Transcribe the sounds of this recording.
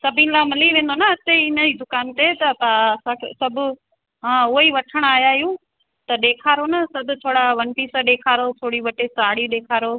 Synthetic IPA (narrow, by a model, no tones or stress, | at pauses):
sɐbʱĩnlaːmɐliʋẽːn̆d̪onaɪt̪eɪnəid̪ʊkaːnt̪et̪ɐpaɐsãkʰḛsɐbʱʊ̆ | ɦãʊɦiʋɐʈʰəɽ̃aːjaːjũ | t̪ɐɗeːkʰaːɾonɐsɐbʱʊt̪ʰoːɽaʋɐnpiːsəɗeːkʰaːɾot̪ʰoːɽiʋɐʈesaːɽiɗ̪eːkʰaːɾo